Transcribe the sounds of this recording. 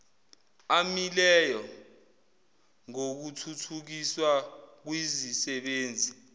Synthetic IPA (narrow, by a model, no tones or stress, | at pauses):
amilɛjɔ | ŋok̬utʰutʰuk̬iswak̬wizisɛɓeːnd͡zʱi